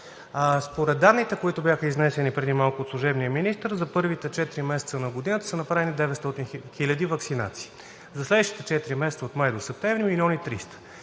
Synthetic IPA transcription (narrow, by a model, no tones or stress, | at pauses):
spoɾɛd̪ːanːit̪ɛkoit̪obʲjaxəiznɛsɛnipɾɛd̪imalˠkʊot̪slˠuʒɛbnijəminist̪əɾzɐpɤɾvit̪ɛt͡ʃɛt̪iɾimɛsɛt̪sənɐɡod̪inət̪ə̥sənɐpɾavɛnid̪ɛvɛt̪st̪ɔt̪inxilʲəd̪ivəksina̰t̪si̥ː | zɐslɛd̪vəʃt̪i̥t̪ɛt͡ʃɛt̪iɾimɛsɛt̪səot̪majd̪osɛp̚t̪ɛmvɾimilʲɔnit̪ɾḭst̪ə̥